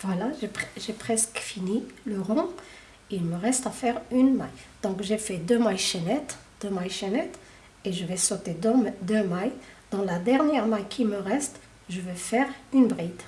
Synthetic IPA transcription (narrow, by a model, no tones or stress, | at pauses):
vwalaʒepχʒepχɛskfiniləʁɔ̃ | ilməʁɛst̪afɛʁynmajd̪̥ɔ̃kʒefɛd̪ømajʃenɛt̪ | d̪̥ømajʃenɛt̪ | eʒəvɛsot̪ed̪d̪ømajd̪̥ɑ̃lad̪ɛʁnjɛʁmajkʰʲiməʁɛst̪ | ʒəvøfɛʁynbʁid̪